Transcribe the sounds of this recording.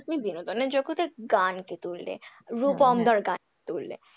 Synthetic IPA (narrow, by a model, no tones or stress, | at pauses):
t̪nid̪inod̪oneɾd͡ʑokut̪eɡanket̪ulːḛɾupɔmd̪ʱɔɾɡanket̪ulːḛ